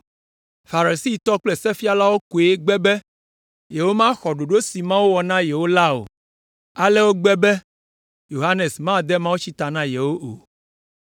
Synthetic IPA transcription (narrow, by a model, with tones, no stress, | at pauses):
fa˨ɾi˨si˦˨t̪ɔ˦k͡plɛ˦sɛ˦fi˦a˦la˦wo˦ku˨e˦ɡ͡bɛ˦bɛ˦ | jɛ˨wo˦mã˦xɔ˨ɖo˨ɖo˦si˨mã˦wo˦wɔ˨nã˦jɛ˨wo˦la˦o̰˨ | a˦lɛ˦wo˦ɡ͡bɛ˦bɛ˦ | jo˨ɦa˦ne˨smã˦d̪ɛ˦mã˦wu˦t͡ɕi˦t̪a˨nã˦jɛ˨wo˦ʔo̰˨